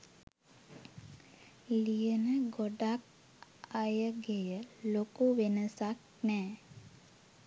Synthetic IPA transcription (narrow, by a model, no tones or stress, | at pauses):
lijənəɡoɖak̚ | ajəɡejəlokuʋenəsak̚ | nɛː